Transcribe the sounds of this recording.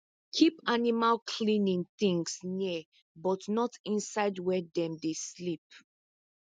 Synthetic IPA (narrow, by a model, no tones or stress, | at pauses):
kʰipanimalkʰlĩnĩŋθĩŋsni | bɔtnɔtĩnsaɪdwɛdɛ̃mdeslip̚